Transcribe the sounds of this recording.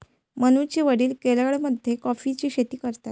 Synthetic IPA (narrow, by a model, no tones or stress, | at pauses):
mənut͡ɕiːʋəɽiːlkeləɭməd̪ʱːjekɔfit͡ɕiːɕet̪iːkəɾt̪at̪